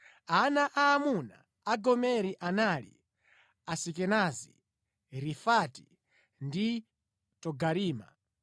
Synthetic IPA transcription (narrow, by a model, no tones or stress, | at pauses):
anaʔaːmuna̰ | aɡɔmɛɾiʔanalḭ | asikɛnazḭ | ɾifati̥ | ndi | tɔɡaɾiːma̰